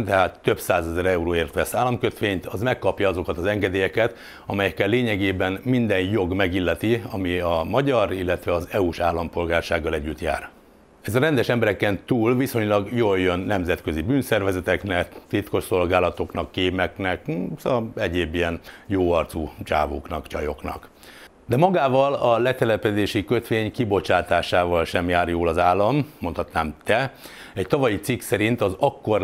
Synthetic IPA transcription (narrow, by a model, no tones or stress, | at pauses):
t̪ɛɦaːt̪ːø̞psaːzɛzɛɾɛuɾoːeːrt̪ʋɛsaːlːɒmkø̞t̪ʋeːɲt̪ɒzmɛkːɒpjɒɒzo̞kɒt̪ɒzɛŋɡɛd̪eːjɛkɛt̪ | ɒmɛjɛkːɛlːeːɲɛɡeːbɛnmind̪ɛnjo̞ɡmɛɡilːɛt̪iɒmiɒmɒɟɒɾilːɛt̪ʋɛɒzɛuʃaːlːɒmpo̞lɡaːrʃaːɡːɒlɛɟːyt̪ja̰ːr | ɛzɒɾɛnd̪ɛʃɛmbɛɾɛkɛnt̪uːlviso̞ɲlɒɡjoːljønːɛmzɛt̪kø̞zibyːnsɛrvɛzɛt̪ɛknɛkt̪it̪ko̞ʃso̞lɡaːlɒt̪o̞knɒkːeːmɛknɛksɒɛɟeːbijɛnjoːɒrt̪sut͡ʃa̰ːvo̰ːknɒkt͡ʃɒjo̞̰knɒ̰k | d̪ɛmɒɡaːvɒlɒlɛt̪ɛlɛpɛd̪eːʃikø̞t̪ʋeːɲkibo̞t͡ʃaːt̪aːʃaːvɒlʃɛmjaːrjoːlɒzaːlːɒmːo̞nt̪ʰhɒt̪naːmt̪ɛ | ɛct̪ɒvɒjit̪siksɛɾint̪ɒzɒkːo̞r